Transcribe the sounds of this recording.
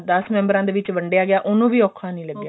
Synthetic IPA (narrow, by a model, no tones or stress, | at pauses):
d̪əsmɛ̃ːmbəɾãːd̪eːʋɪt͡ʃʋəɳɖjaːɡɪaːʔʊnũːʋiːɔːkʰːaːnəĩːləɡːjaː